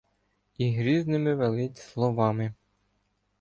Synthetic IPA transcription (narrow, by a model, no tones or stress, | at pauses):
iɦɾʲiznɪmɪʋelˠɪtʲslˠɔʋɑmɪ